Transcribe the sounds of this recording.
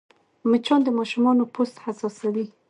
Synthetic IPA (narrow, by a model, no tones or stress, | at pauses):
mət͡ʃɑnd̪əmɑʃumɑnopost̪hasɑsawi